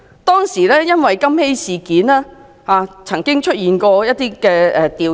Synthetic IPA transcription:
t̪ɔː˥ŋsiː˨˩lɛː˥jɐ˥nwɐ˨jkɐ˥mhe˥jsiː˨kiː˨˥naː˥ | haː˨˧t͡sʰɐ˨˩ŋkɪ˥ŋt͡ʃʰɵ˥t̚jiː˨˧nkɔː˧jɐ˥t̚t̪iː˥kɛː˧ʔɛ˨˧t̪iː˨

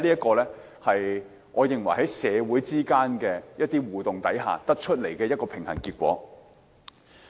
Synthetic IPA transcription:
liː˥ɐ˥t̚kɔː˧lɛː˥ | hɐ˨j | ŋʔɔː˨˧jɪ˨ŋwɐ˨˩jɦɐ˨˥jsɛː˨˧wuː˨˥jt͡siː˥kaː˥nkɛː˧jɐ˥t̪̚ːiː˥wuː˨t̪ʊ˨ŋt̪ɐ˨˥jɦa̰ː˨t̪ɐ˥k̚t͡ʃʰɵ˥t̚le˨˩jkɛː˧jɐ˥t̚kɔː˧pʰɪ˨˩ŋhɐ˨˩nkiː˧t̚kʷɔ̰ː˨˥

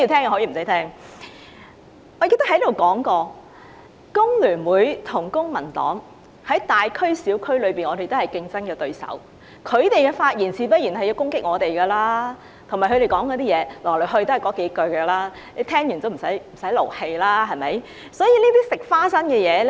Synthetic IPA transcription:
iː˧t̪ʰɛː˥ŋ˧hɔ˨˥jiː˨˩m̩˨˩sɐ˨˦˥tʰɛː˥ŋ | ŋɔː˨˧ke˧t̪ɐ˥hɐ˨˥jd̪o˨˩wkɔː˨˥ŋkɔː˧ | kʊ˥ŋlyː˨˩nwuː˨˥jt̪ʰʊ˨˩ŋkʊ˥ŋmɐ˨˩nt̪ɔ̰ː˨˥ŋ | hɐ˨˥jt̪aː˨jkʰɵ˥ɥsiː˨˥wkʰɵ˥ɥlɵ˨˧ɥpiː˨nŋɔː˨˧t̪e˨jt̪o˥hɐ˨˩jkɪ˧ŋt͡sɐ˥nkɛː˧t̪ɵ˧ɥsɐ̰˨˥w | kʰɵ˨˧ɥt̪e˨jkɛː˧faː˧t̚jiː˨˩nt͡sʰiː˨˥p̬ɐ˥t̚jiː˨˩nhɐ˨jːi˧wkʊ˥ŋkɪ˥k̚ŋɔː˨˧t̪e˨jɡɐː˧laː˥ | t̪ʰʊ˨˩ŋmaː˨˩kʰɵ˧ɾe˨jkɔː˨˥ŋkɔː˨˧˥t̪iː˥jɛː˨˧lɔː˨˩lo˨˩ɦɵ˧ɥt̪o˥hɐ˨˩jkɔː˨˥ke˨˥jkɵ˧ɥɡɛː˧laː˥ | le˨˥t̪ʰɛː˥ŋjyː˨˩nt̪o˨˧m̩˨˩sɐ˨˥jm̩˨˩sɐ˨˥jlo˨˩whe˧jlaː˥ɦɐ˨jmɐ˨˥j | sɔː˨˥jiː˧niː˥t̪iː˥sɪ˨k̚faː˥sɐ˥nkɛː˧jɛː˨˧l

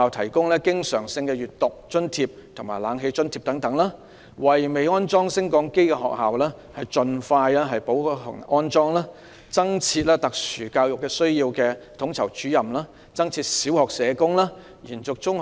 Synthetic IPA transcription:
aː˨wt̪ʰɐ˨˩jkʊ˥ŋlɛː˥kɪ˥ŋsœː˨˩ŋsɪ˧ŋkɛ˧jyː˨˩tt̪ʊ˨k̚t͡ʃɵ˥nt̪ʰiː˧p̚t̪ʰʊ˨˩ŋmaː˨˩jlaː˨˧ŋɦe˧jt͡ʃɵ˥nt̪ʰiː˧p̚t̪ɐ˨˥ŋt̪ɐ˨˧˥ŋlaː˥ | wɐ˨jme˨jɔː˥nt͡sɔː˥ŋsɪ˥ŋkɔː˨˥ŋke˥jkɛ˧hɔ̰ː˨k̚haː˨wlɛː˥hɐ˨jt͡ʃɵ˧nfaː˧jlɛː˥ɦɐ˨jpo˨˥wkːtʊ̰˨˩ŋɔː˥nt͡sɔː˥ŋlaː˥ | t͡sɐ˥ŋt͡sʰiː˧t̚lɛː˥t̪ɐ˨k̚syː˨˩kaː˧wjʊ˨kːɛː˧sɵ˥ɥjiː˧wkɛː˧t̪ʰʊ˨˥ŋt͡sʰɐ˨˩wt͡ʃyː˨˥jɐ˨mlaː˥ | t͡sɐ˥ŋt͡sʰiː˧t̚siː˨˥whɔː˨k̚sɛː˨˧kʊ˥ŋlaː˥ | jiː˨˩nt͡sʊ˨k̚t͡sʊ˥ŋ

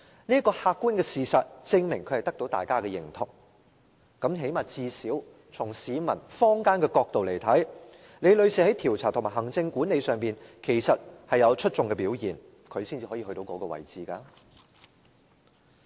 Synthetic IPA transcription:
niː˥kɔː˧haː˧k̚kːuː˥nkɛː˧siː˨sɐ˨t̚t͡sɪ˧ŋmɪ˨˩ŋkʰhɐ˨˩jt̪ɐ˥k̚t̪o˨˥wt̪a̰ː˨˩jkaː˥kɛ˧jɪ̰˨˩ŋt̪ʰʊ˨˩k̚ | kɐ˨˥mɦe˨˥jmaː˨˩t͡siː˧si˨˥w | t͡sʰʊ˨˩ŋsiː˨˧mɐ˨˩nfɔː˥ŋkaː˥nkɛː˧kɔː˧k̚t̪o˨wle˨˩jt̪ʰɐ˨˥j | ne˨˧jlɵ˨˧ɥsʰiː˨˩hɐ˨˥jt̪ʰiː˨˩wt͡sʰaː˨˩t̪ʰmaː˨˩ɦɐ˨˩ŋt͡sɪ˧ŋkuː˨˥ne˨˧jsœː˨ŋpiː˨nkʰe˨˩jsɐ˨t̚hɐ˨jɐ˨˧wt͡ʃʰɵ˥t̚t͡sʊ˨˧ŋkɛː˧piː˨˥wjiː˨˩n | kʰɵ˨˧ɥsiː˥nt͡siː˨˧hɔ˨˥jiː˧hɵ˧t̪o˨˧wkɔː˨˥kɔː˧wɐ̰˨˩jt͡siː˨kaː˧

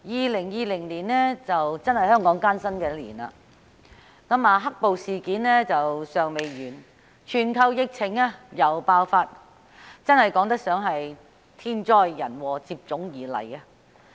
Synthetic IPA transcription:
jiː˨˧lɪ˨˩ŋjiː˧lɪ˨˩ŋliː˨˩nlɛː˥t͡sɐ˨wt͡sɐ˥nhɐ˨jhœː˥ŋkɔː˨˥ŋkaː˥nsɐ˥nkɛː˧lḭː˨˩na̰ː˧ | kɐ˨˥maː˨˧ɦɐ˥k̚po˨wsiː˨kiː˨˥nlɛː˥t͡sɐ˨wsœː˨ŋme˨jɥyː˨˩n | t͡ʃʰyː˨˩nkʰɐ˧wjɪ˨˧k̚t͡sʰɪ˨˩ŋaː˧jɐ˨˩wpaː˧wfaː˧t̚ | t͡sɐ˥nhɐ˨jkɔː˨˥ŋt̪ɐ˥k̚sœː˨˥ŋɦɐ˨j | t̪ʰiː˥nt͡ʃɔː˥jːɐ̰˨˩nwɔː˨˩t͡siː˧p̚t͡sʊ˨˥ŋjiː˨˩lɐ̰˨˩jaː˧

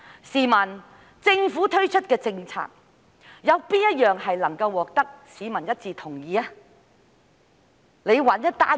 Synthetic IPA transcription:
siː˨˩mɐ˨˩n | t͡sɪ˧ŋfu˨˥t̪ʰɵ˥ɥt͡ʃʰɵ˥t̚kɛː˧t͡sɪ˧ŋt͡sʰa̰ː˨˩k̚ | jɐ˨˧wpiː˥njɐ˥t̚jœː˨ŋhɐ˨jlɐ˨˩ŋkɐ˧wːɔː˨k̚t̪ɐ˥k̚siː˨˧mɐ˨˩njɐ˥t̚t͡siː˧t̪ʰʊ˨˩ŋjiː˨˧a˧ | le˨˧jwɐ˨˥njɐ˥t̚t̪a̰ː˥

